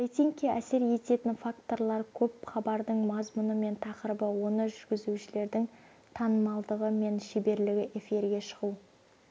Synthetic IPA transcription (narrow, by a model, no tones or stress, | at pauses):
et̪iŋkʲːeʔæse̞ɾje̞t̪e̞t̪ɪnfakt̪o̞ɾlˠɑɾkʲʰɵp̚χɑbɑɾd̪əɴmɑzmʊnəme̞nt̪ʰɑqəɾəbəwo̞nəʒʏɾɡʲɪzuʃɪle̞ɾd̪ɪŋ | t̪ʰɑnəmɑlˠd̪əʁəme̞nʃebe̞ɾlɪɡʲɪʔe̞fiɾɡʲe̞ʃəʁuw